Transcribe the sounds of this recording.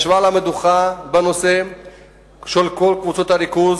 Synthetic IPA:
ʃvalamed̪uχabeno̞se | ʃelkolkvut͡so̞t̪aɾikuz

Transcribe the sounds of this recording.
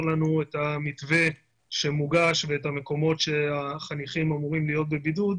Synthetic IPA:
lanuetamitve̞ | ʃe̞muɡaʃve̞etame̞ko̞mo̞tʃe̞aχaniχimamuʁimlijo̞t̚be̞bidud

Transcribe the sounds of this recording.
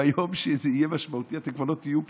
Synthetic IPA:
ajomʃezeijemaʃmaut̪iat̪ekvanot̪ːijup

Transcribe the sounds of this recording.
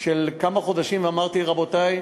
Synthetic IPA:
ʃelkamaχo̞d̪aʃimveamaʁt̪iʁabo̞t̪aj

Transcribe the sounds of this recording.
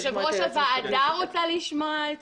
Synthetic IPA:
ʃeʁoʃavaːd̪aʁot͡saliʃma

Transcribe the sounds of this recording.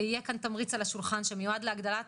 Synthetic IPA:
ijekant̪amʁit͡salaʃulχanʃemejuad̪leaɡd̪ala

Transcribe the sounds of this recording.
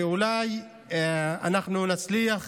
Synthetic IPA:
ulaj | a̰naχnunat͡sliaχ

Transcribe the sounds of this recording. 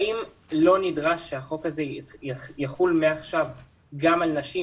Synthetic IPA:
im | lo̞nidʁaʃːeaχo̞khazejaχulmeaχʃav | ɡamalnaʃi

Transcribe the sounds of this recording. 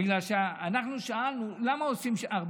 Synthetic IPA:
iɡlalʃeaanaχnuʃaalnulamaosimʃʔaʁb

